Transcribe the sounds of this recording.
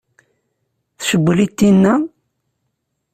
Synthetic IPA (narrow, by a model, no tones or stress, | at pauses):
θʃəbːlit̪ːinːæ